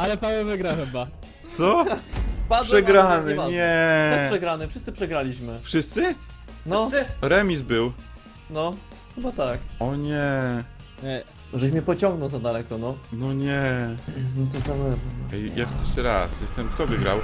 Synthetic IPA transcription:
alɛpaɲʲɛvɘɡɾawxɛba | t̪sɔspadʂɛɡɾanɪɲɛɛpʂɛɡɾanɘfʂɘst̪sɘpʂɛɡɾalʲiɕmɘfʂɘst̪sɘ | nɔɾɛmʲisbɘw | nɔ | xɘbat̪akɔɲɛ | ɛ | ʐɛɕ̬mʲɛpɔt͡ɕɔ̃ŋɡnɔwzad̪alɛkɔnɔnɔɲɛ | nt̪sɔsamɛapɛvɛjjaxssɛʂtɛɾa̰sjɛst̪ɛmkt̪ɔvɘɡɾa̰w

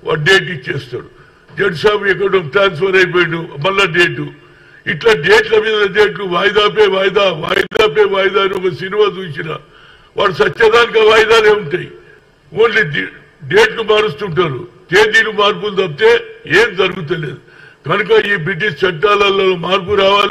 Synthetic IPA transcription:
ʋʔa̰ːɖeːʈit͡ʃːeːst̪a̰ːɽu | d͡ʒeɖsaːmɛk̬ːɐʈoʈɾaːnspʰɐɾɐjp̬oːjinumɐlːɐɖeːʈu | iʈlaːɖeːʈlɐʋid̪ɐlɐɖeːʈ̬luʋaːjd̪aːp̬eʋaːjɐd̪aːʋa̰ːjd̪aːp̬eːʋaːjɐd̪aːniɔkɐsinimaːt͡ʃuːsinɐ̰ | ʋaːɽusɐt͡ʃːt͡ʃɐd̪aːnikɐʋaːjɐd̪aːle̞ːuɳʈaːji | oːnli | ɖe̞ːʈkumaːɽust̪uɳʈaːɾṵt̪eːd̪iːlumaːɾp̬uld̪ɐp̚t̪e̞ːeːmd͡ʒɐɾuɡut̪̬ɐle̞ːd̪u | ɡɐnukɐiːbɾiʈːist͡ʃɐʈːaːlɐlːoomaːɾp̬uɾaːʋaːl

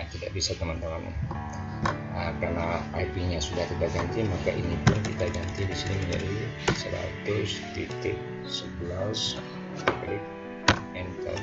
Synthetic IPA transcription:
t̪idaʔbisat̪əmant̪əmana̰ | əkarnaajpiɲasudaht̪it̪aɡant̪imakaʔinipʊnkit̪aɡant̪idisiniməɲd͡ʒa̰di | səla̰t̪ʊst̪it̪ɪk̚ | səbəlas | lɪk̚ | ɛnkə̰

